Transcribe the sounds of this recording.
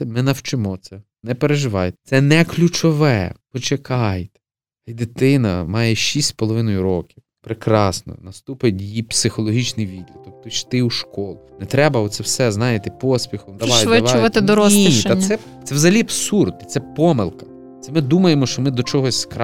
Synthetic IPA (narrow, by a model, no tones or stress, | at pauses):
ɛmɪnɐwt͡ʃɪmɔt̪sɛ | nɛpeɾeʒɪʋɑjt̪ɛ̥t̪sɛnɛklʲut͡ʃɔʋɛ | ɔt͡ʃekʰɑjt̪ɛ̥ | ɐjd̪ɪt̪ɪnɐmɑjɛʃisʲtʲsʲpɔlˠɔʋɪnɔjʊɾɔkʲiw | pɾekɾɑsnɔ̰nɐst̪upɐjtʲjipsɪxɔlˠɔɦʲit͡ʃnɪjʋʲid̪ʲlʲɐd̪ɔkt̪ɔʃt̪ɪuʃkɔlˠnɛt̪ɾɛbɐɔt̪sɛwsɛznɑjet̪ɪpɔsʲpʲixɔmd̪ɐʋajʋɐʋɐt̪ɪd̪ɔɾɔisɛt̪sɛwzɐɦɐlʲiɐbsurd̪ɪt̪sɛpɔmɪlˠkɐ̥ | t̪sɛmɪd̪umɐjemɔʃt͡ʃɔmɪd̪ɔt͡ʃɔɦɔsʲsk